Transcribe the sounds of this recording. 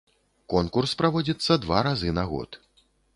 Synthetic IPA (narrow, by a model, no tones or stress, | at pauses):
kɔnkurspɾavɔd͡zʲit̪sːɐd̪vaɾazɨnaɣɔ̰t̪